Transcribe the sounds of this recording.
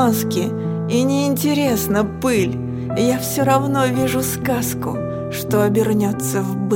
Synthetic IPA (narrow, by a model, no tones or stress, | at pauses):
nskʲɪ | inʲɪɪnʲtʲɪɾʲe̞snəpɨlʲ | jafsʲoɾɐvno̞vʲiʐʊskaskʊ̰ | ʂt̪oɐbʲɪrnʲot̪sːəvb